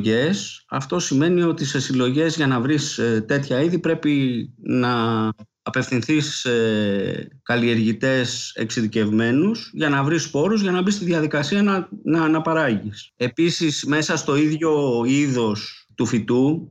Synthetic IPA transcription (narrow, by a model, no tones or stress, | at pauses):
ʝe̞sɐ̰ft̪o̞sime̞nio̞t̪ise̞silo̞ʝe̞zʝɐnɐvɾist̪e̞t̪çɐiðipɾe̞pinɐː | pe̞fθinθise | kɐlie̞ɾʝit̪e̞se̞̰ksiðice̞vme̞nusʝɐnɐvɾispo̞ɾuzʝɐnɐbist̪iðɐðikɐsiɐɐnɐnɐpɐɾɐʝise̞pisisme̞sɐst̪o̞iðʝo̞iðo̞st̪ufit̪u